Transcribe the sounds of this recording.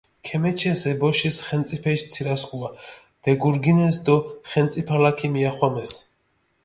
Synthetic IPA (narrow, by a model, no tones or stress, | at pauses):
kʰɛmɛt͡ʃʰɛsɛbɔʃisχɛmt̪sʼipʰɛʃt̪sʰiɾaskʼua | d̪̥ɛɡuɾɡinɛs̬d̪ɔχɛnt̪sʼipʰalakʰimiaχwamɛs